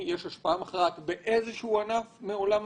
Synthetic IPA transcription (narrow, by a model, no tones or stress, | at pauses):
jeʃhaʃpaamaχʁat̪be̞ʔezeʃeuanafmeo̞lam